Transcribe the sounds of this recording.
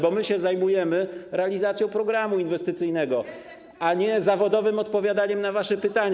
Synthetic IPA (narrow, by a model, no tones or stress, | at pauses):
bɔmɘɕɛzajmujɛmɘɾʔɛalʲizat̪sʲjɔ̃w̃pɾɔɡɾamuinvɛst̪ɘt̪sɘjnɛɡɔ | aɲɛzavɔd̪ɔvɘmɔt̪pɔvʲjad̪aɲɛmnavaʂɛpɘt̪aɲ